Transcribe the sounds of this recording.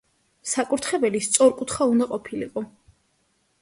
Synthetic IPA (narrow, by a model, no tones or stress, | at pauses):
sakʼuɾt̪ʰχɛbɛlist̪sʼɔɾkʼut̪ʰχaund̪aqʼɔpʰilḭqʼɔ